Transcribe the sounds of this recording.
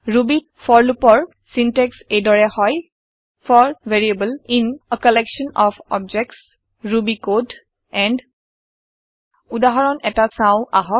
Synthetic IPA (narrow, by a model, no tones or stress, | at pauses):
ɹubi | fʰɔɹlupɔɹ | sinteksejdɔɹɛhɔj | fʰɔɹveɹiebəlinəkɔlɛkʃɔnɔfʰɔ̰b̚d͡ʒɛk̚ts | ɹubikod | ɛnd | udaɦɔɹɔnʔɛtasãʊ̃ʔaɦɔ